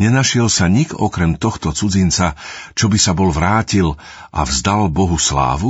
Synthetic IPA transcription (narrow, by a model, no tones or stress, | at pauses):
ɲɛnaʃɪɛlsaɲiɡɔ̰kɾɛmt̪ɔxt̪ɔt͡sud͡zint͡sat͡ʃɔbisabɔlʋɾaːcil | ʔa̰vzd̪albɔɦusla̰ːʋu